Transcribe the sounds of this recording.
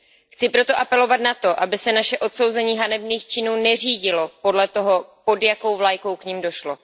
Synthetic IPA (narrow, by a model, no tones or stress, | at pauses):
xt͡sɪpɾo̞t̪oʔapɛlo̞vat̪nat̪o̞ʔabɪsɛnaʃɛʔo̞t̪so̞wzɛɲiːɦanɛbniːxt͡ʃɪnuːnɛr̝iːɟɪlo̞po̞dlɛt̪o̞ɦo̞po̞djako̞wvlajko̞wkɲimdo̞ʃlo̞